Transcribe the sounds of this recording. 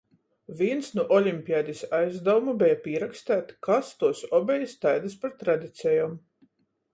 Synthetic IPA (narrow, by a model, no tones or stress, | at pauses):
vʲiɛnsnuʔɔlʲimʲpʲiaːd̪ʲisajzd̪awumubʲɛjapʲiɛɾakst̪æːt̪kast̪uɔsɔbʲɛjist̪ajd̪aspaɾt̪ɾad̪ʲit̪sɛjam